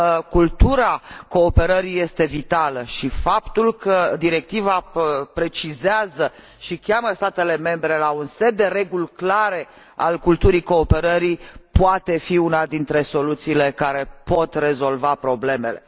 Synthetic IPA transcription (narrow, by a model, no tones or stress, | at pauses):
kult̪uɾako̞ːpe̞ɾəɾije̞st̪e̞vit̪aləʃifapt̪ulkʰəd̪iɾe̞k̚t̪ivapɾe̞t͡ʃizeazə | ʃikʲaməst̪at̪e̞le̞me̞mbɾe̞launse̞d̪ːe̞ɾe̞ɡulklaɾe̞ | a̰lkult̪uɾiko̞ːpe̞ɾəɾipoat̪e̞fiunad̪int̪ɾe̞so̞lut̪siːle̞kaɾe̞po̞t̪re̞zo̞lvapɾo̞ble̞me̞le̞̰